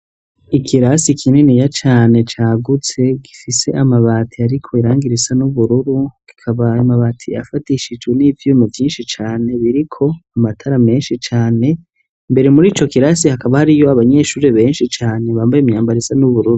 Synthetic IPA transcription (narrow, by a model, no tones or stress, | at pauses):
ikʰiɾasikʰininijat͡ʃaːne̞t͡ʃaːɡut͡se̞ɡifise̞ʔamaβaːtʰiaɾikʰo̞iɾaːŋɡiɾisanuβuɾuɾuɡ̥i̥kʰaβaimaβaːtʰija̰fatiʃid͡ʒɡweniːvjuːmuvjiːnʃit͡ʃaːne̞βiɾikʰo̞amatʰaɾame̞ːnʃit͡ʃaːne̞ | mbe̞ɾe̞muɾiːt͡ʃo̞kiɾasihakaβahaɾijo̞aβaɲe̞ːʃuːɾe̞βe̞ːnʃit͡ʃaːne̞βaːmbajimɲaːmbaɾisanuβuɾuɾu